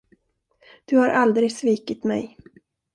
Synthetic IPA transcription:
d̪̥ɵhaɾʔald̪ɾɪɡsviːkɪt̪mɛ̰j

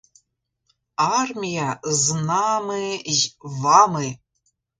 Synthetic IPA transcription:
armʲijazɨnamɨ | vamɨ

